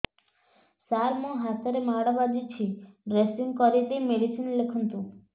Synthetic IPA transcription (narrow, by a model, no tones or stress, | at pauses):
saɾmõɦast̪aɾemaɽabad͡ʒit͡ʃʰiɾesiŋɡkɔɾit̪ejmeɽisinlekʰunt̪u